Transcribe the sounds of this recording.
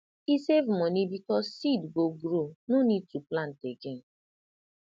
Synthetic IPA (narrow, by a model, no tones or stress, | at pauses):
isevmɔnibikɔzsidɡoɡɾonunituplan̩teɡen̩